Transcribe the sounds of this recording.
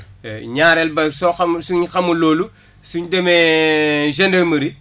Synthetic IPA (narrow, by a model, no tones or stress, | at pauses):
ɲaːɾɛlbɐsoxɐmsuɲxɐmuloːlu | suɲdeme | ʒendɐmɐɾi